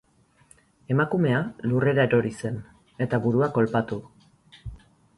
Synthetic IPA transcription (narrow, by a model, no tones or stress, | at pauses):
e̞makume̞alure̞ɾaeɾo̞ɾise̞n | e̞t̪aβuɾuako̞lpat̪u